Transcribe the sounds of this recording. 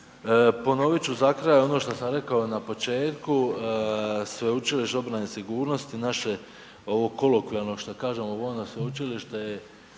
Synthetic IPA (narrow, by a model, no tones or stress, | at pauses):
po̞no̞ʋit͡ɕuzakɾajo̞no̞ʃt̪osamɾe̞kaonapo̞t͡ʃe̞ːt̪ku | sʋe̞ut͡ʃiliʃt̪eo̞bɾanesiɡuːɾno̞st̪inaʃe̞ | o̞ʋoko̞lokʋialˠno̞ʃt̪okaːʒe̞moʋojnosʋeut͡ʃiliʃt̪eje